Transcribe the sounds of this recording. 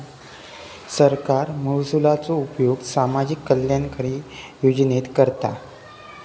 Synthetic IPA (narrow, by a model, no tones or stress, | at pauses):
səɾkaɾmuwsulat͡soupjoɡsamad͡ʑikːəlːjankəɾiː | jod͡ʑnet̪kəɾt̪a